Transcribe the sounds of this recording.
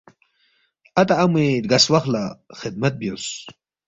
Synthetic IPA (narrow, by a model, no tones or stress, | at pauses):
ɐt̪aɐmet̪ɡɐswɐxlaxɪd̪̚mɐt̪̚bjos